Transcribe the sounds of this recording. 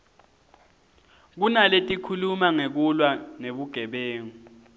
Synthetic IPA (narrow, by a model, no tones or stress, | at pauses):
k̬unaletʼikʰulumaŋek̬ulwaneɓuɡ̥ʱɛɓeːŋu